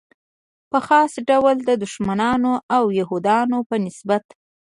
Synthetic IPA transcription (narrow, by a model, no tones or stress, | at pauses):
pəxɑsɖawəld̪əd̪ʊʃmanɑnoʔawjaɦud̪ɑnopənɪsbat̪